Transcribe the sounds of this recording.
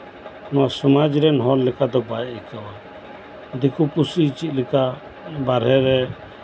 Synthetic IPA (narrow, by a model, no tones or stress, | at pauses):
nɔwasɔmad͡ʒɾɛnɦɔllɛkad̪ɔbajikawa | d̪ikupusiːt͡ʃit̪̚ˀlɛka | baɾɛɾɛ